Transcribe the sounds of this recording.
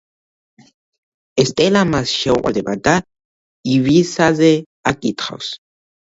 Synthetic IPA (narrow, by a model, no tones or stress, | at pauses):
est̪ʼelamasʃɛwʔʷʼa̰d̪eβat̪a | iβisaze | akʼit̪χa̰ws